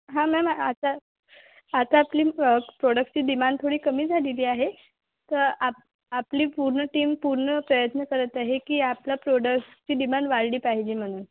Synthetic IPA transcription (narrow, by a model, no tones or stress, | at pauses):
ɦãmɛmaat̪a | at̪aːpliːpɾoɽək̚st͡ɕiːd̪imanɖ̪̚t̪ʰoɽiːkəmiːd͡zʱaliliːaɦe | t̪əɾa | apliːpuɾɳəʈiːmpuɾɳəpɾəjət̪nəkəɾət̪aɦekiːaplapɾoɽəkst͡ɕiːd̪imaɳɖʋaɾɽiːpaɦid͡ʑiːm̤əɽ̃uːn